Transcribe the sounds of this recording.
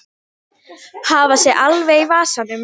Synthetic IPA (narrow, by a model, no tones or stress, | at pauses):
havasjɛɣʔalveɣivaːsanʏm